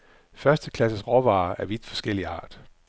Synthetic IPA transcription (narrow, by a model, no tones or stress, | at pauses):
fɶɐsd̥əkʰlæs̬əsʁɒʋɑ̰̈ːæɐʋid̥fɒ̽sɡ̥el̰iɑ̰̈ːd̥